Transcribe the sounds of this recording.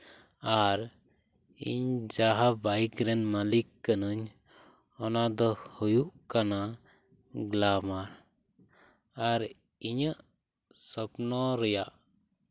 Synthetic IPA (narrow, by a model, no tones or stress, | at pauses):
aɾ | ḭɲd͡ʒaɦabajkɾɛnmalikːənuɲ | ɔnad̪ɔhujuʔkana | ɡlamaɾ | aɾ | iɲəʔ | sɔpnɔɾɛjaʔ